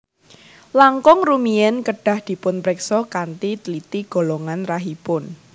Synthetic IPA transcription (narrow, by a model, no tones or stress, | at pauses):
laŋkɔŋrumiɛnkəɖ̥a̤hd̪̥i̤pʊnpɾɛksɔkant̪it̪lit̪iɡ̥o̤lɔŋanraɦipʊn